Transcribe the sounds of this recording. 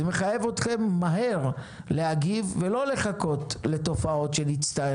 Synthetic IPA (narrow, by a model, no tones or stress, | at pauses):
me̞χaje̞vot̪χe̞mːaɦe̞ʁ | leaɡivːelo̞le̞χako̞t̪le̞to̞fao̞tʃe̞nit͡st̪ae